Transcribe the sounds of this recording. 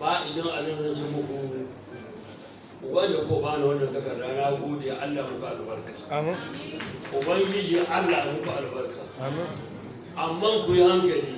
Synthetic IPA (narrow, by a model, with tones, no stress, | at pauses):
baː˨ʔɪ˨dɐ˦ŋʔa˨lɐ˦nzɐ˦˨nt͡ʃɐ˦mʊ˨kʷoː˦muː˦ | ʔʷʊ˨bɐ˦n˦da˨kʷo˦˨baː˦na˨wɐ˦nːɐ˨ntɐ˦kɐ˨dːaː˦naː˦ɡʷoː˦de˨ja˦ʔa˦lːaː˨mʊ˦kʷu˨ʔa̰˨lbɐ˦rkaː˨˦ʔʊ˨bɐ˦ŋɡʲɪ˦d͡ʒi˨ʔa˦lːaː˨mʊ˦kʷu˨ʔa˨lbɐ˦rkaː˨˦ | ʔa˨mːa˦ŋkʷʊ˨ji˦ha˦ŋkɐ˨liː˦